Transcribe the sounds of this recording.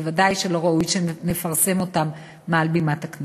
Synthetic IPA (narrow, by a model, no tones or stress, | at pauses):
vadajʃelo̞ʁaujʃene̞faʁse̞mo̞tamː | ealbimatakn